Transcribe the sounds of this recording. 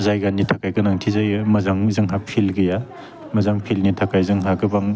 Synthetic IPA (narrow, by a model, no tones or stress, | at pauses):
zajɡanːitʰakajkɯnaŋtʰizajmɐzaŋzɯŋɦapʰilɡɯja | mɐzaŋpʰilnitʰakajzɯŋɦakɯbaŋ